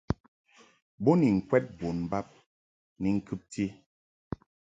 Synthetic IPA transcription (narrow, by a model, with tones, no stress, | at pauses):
bo˦ni˨ŋ̩˨kwɛ˦t̚bo˨nba˦p̚ | ni˨ŋ̩˦kɨ˦p̚tʰi˦